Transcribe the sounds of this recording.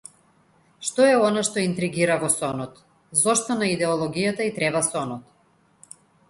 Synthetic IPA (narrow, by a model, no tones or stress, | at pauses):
ʃt̪ɔɛɔnaʃt̪ɔint̪ɾiɡiɾavɔsɔnɔt̪ | zɔʃt̪ɔnaid̪ɛɔlˠɔɡijat̪ait̪ɾɛbasɔnɔt̪